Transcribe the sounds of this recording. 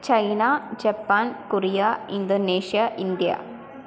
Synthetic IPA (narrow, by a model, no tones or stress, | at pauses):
t͡ʃɐjnaːd͡ʒɐpːaːnkʊɾijaɪnd̪oneːʂijaʔɪnd̪ija̰ː